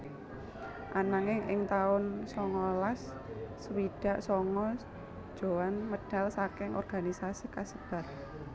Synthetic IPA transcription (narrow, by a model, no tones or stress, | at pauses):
ʔanaŋɪŋʔɪŋt̪aʊnsɔŋɔlasː | əwiɖ̥a̤ʔsɔŋɔ | d̥ʒ̥o̤wanməɖ̥a̤lsakɪŋʔɔ̰rɡ̥anisasikasəb̥a̤t̪̚